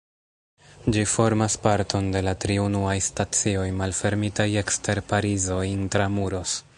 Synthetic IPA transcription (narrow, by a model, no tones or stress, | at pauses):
d͡ʒifo̞ɾmaspaɾtʰo̞nde̞latɾiunuajstat͡sio̞jmalfe̞ɾmitaje̞kste̞ɾpaɾizo̞intɾamuɾo̞s